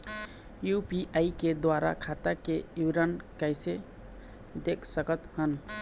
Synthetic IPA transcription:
jupiʔaiked̪waɾa̰kʰat̪akejuɾankajse | d̪ekʰsəkət̪hən

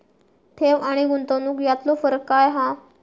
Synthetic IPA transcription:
t̪ʰeʋaɽ̃iɡunt̪onuːkjat̪lofəɾkːajɦã

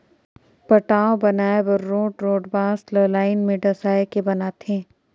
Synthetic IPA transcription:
pɐʈaːõbɐnaːebəɾːoːʈɾoːɖbãːsləlaːɪnmẽɖɐsaːekebɐnaːt̪ɦɛ̃ː

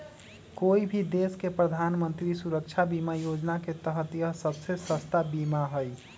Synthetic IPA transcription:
koibʱid̪eskepɾəd̪ʱanmənt̪ɾisuɾəkt͡ʃʰabimajod͡ʒnaket̪əɦt̪ijəɦsəbsesəst̪abimaɦəj

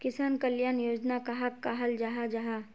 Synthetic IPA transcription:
kɪsaːnkɐljaːnjoːd͡ʒnakaɦɐkːaɦɐld͡ʒaɦad͡ʒaɦa

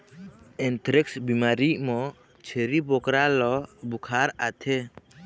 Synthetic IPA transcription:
ɛnt̪ɾɛksbimaɾiʔmɔ | t͡ʃʰeɾibɔkɾalɔbukʰaɾat̪ʰɛ

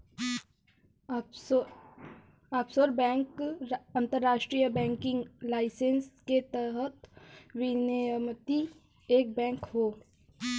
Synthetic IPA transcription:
aːpsoɾbɛ̃ːŋkɐ̃nt̪əɾːaːʃʈɾijəbɛ̃ːŋkɪ̃ŋɡlaːɪsensket̪ɛɦət̪ʋɪnejəmt̪i | eːk̚bɛ̃ːŋkɦoː

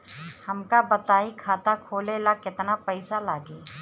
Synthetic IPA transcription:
hɐmkabɐt̪aːikʰaːt̪akʰoːlelakɪt̪napɐɪsalaːɡeː

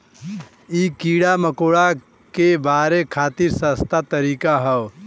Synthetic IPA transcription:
iːkiːɽaməkoːɽa | kebaːɾekʰaːt̪iɾsəst̪at̪əɾiːkaɦəʋ

